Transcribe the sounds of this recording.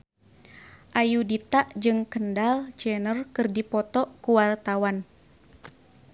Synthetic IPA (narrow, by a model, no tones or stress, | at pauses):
ʔajudit̪aʔd͡ʒɨŋkəndalt͡ʃɛnərkɨrdipɔt̪ɔkuwart̪awan